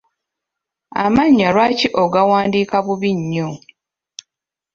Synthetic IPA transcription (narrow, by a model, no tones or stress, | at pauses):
a̰maɲːalwaːciʔoɡawaːndiːkaβuβiɲːo